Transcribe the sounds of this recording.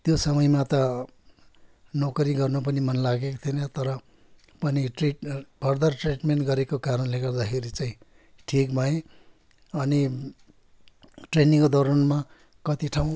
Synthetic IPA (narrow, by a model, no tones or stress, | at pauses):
t̪josʌmʌjmat̪ʌ | nokʌɾiɡʌrnʌp̬ʌnimʌnlaɡekot̪ʰinʌt̪ʌɾʌ | pʌniʈriʈbʱʌrd̪ʌrʈriʈmenʈɡʌɾekokaɾʌnleɡʌrd̪akʰeɾit͡saĩ | ʈʰikbʱaẽ | ʌni | ʈreniŋkod̪ʱoɾʌnma | kʌt̪iʈʰaw̃